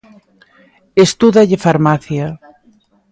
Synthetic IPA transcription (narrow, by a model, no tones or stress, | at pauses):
est̪uðaʎɪfaɾmaθja